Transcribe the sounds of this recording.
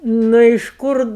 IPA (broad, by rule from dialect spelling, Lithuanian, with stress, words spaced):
ˈnʊ ɪʃ ˈkʊr